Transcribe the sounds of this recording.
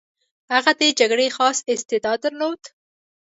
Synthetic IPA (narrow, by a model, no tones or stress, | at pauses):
haɣad̪ed͡ʒaɡɽexɑsɪst̪ɪd̪ɑd̪əɾnowt̪